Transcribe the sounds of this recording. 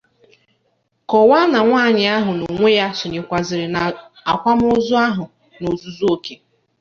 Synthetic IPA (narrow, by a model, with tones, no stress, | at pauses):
kɔ˨wa˦na˨ŋʷaː˦˨ɲɪ˨a˦ɦʊ˨no˨ŋʷe˦ja˦sʊ˨ɲe˨kʷa˨zɪ˨ɾɪ˨na˨ | a˨kʷa˦m˦ʊ˦zʊ˦a˦ɦʊ˨ | no˨zu˦zu˦o˦ke˦